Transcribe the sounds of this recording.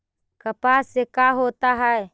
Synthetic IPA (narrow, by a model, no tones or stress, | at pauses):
kɐpasekaɦoːt̪aɦɛɛ